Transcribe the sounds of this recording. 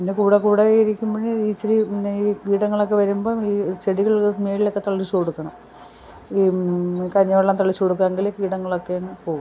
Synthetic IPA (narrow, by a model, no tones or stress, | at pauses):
pindekuːɽekuːɽeiɾikʲːumbɐnːeiːt͡ɕːɐɾiikiːɽɐŋːɐɭokːe̞ʋɐɾumbo̞ːiːt͡ɕeɽiɣɐɭmeːɭilo̞kːet̪ɐɭːit͡ɕːukoɽukːɐɳɐm | ikɐɾiɲːɐʋɐɭaːnt̪ɐɭːit͡ɕːukoɽukːaːŋɡilkiːɽɐŋːɐɭo̞kːenːpo̞ːɣu